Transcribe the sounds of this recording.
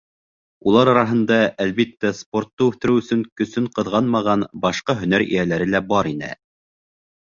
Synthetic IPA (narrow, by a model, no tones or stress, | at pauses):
ulˠɑɾɑɾɑɦɤ̆nd̪ɑælβit̪ːæspo̞rt̪ːɤʉθɘ̆ɾɘɵ̆sɵŋkɵ̆sɵɴqɤ̆ðʁɑnmɑʁɑnbɑʃqɑɦɵ̆næɾḭjælæɾɘlæbɑɾinɘ̰